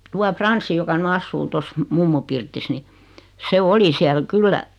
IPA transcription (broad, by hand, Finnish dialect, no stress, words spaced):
tuɑ frɑnsːi jokɑ ny ɑsːuː tos mumːu pirtis ni se oli siæl kylːæ